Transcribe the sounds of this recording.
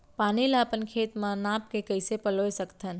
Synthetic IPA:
panileəpənkʰet̪mãnap̚kekəɪsepəlojsəkt̪ʰən

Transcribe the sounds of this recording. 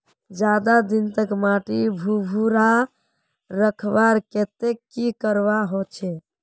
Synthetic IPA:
d͡ʒad̪ad̪int̪əkmaʈibʱubʱuɾa | ɾəkʰbaɾket̪ekːikəɾʋaɦot͡ʃʰɛ

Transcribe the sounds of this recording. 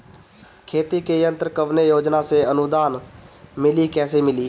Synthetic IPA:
kʰeːt̪ikejə̃nt̪ɾəkəʋnejoːd͡ʒnaseənʊd̪aːnmɪlikɛːsemɪliː

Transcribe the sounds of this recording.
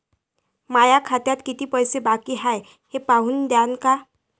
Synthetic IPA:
majakʰat̪jat̪kit̪ipɔjsebakiɦaj | hepaɦund̪janka

